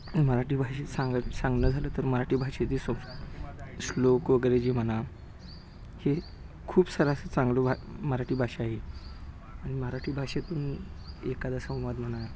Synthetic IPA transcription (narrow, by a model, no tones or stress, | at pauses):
məɾaʈiːbʱaɕesãŋɡsãŋɡnəːd͡zʱaləːt̪əɾməɾaʈiːbʱaɕet̪iso | slokʋəɡɾed͡ʑiːm̤əna | he | kʰuːpsəɾasət͡sãŋɡlobaməɾaʈiːbʱaɕeaɦe | aɽ̃iməɾaʈʰiːbʱaɕet̪uːnekad̪asə̃w̃ʋad̪m̤əna